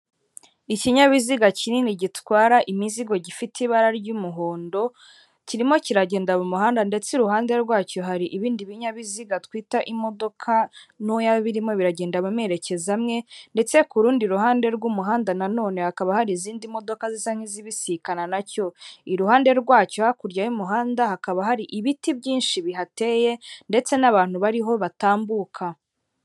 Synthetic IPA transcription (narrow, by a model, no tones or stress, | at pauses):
iciɲaβiziɡacininiɟitwaːɾaʔimiziɡo̞ɟifitʰiβaɾaɾɟumuɦoːndo̞ | ciɾimo̞ciɾaɟe̞ːndaβumuɦaːndande̞t͡siɾuɦaːnde̞ɾɡwaːcoɦaɾiʔiβiːndiβiɲaβiziɡatwiːtaʔimo̞do̞kʰanujaβiɾimo̞βiɾaɟe̞ːndaβume̞ɾe̞ce̞zamŋe̞nde̞t͡se̞kuɾuːndiɾuɦaːnde̞ɾɡumuɦaːndanano̞ːne̞hakaβahaɾiːziːndimo̞do̞kazisaŋ̥hiziβisikananaco̞iɾuhaːnde̞ɾɡwaːcohakuɾɟajumuɦaːndahakaβahaɾiʔiβitibɟiːnʃiβiɦate̞je̞nde̞t͡se̞naβaːn̥huβaɾiɦo̞βataːmbuːkʰa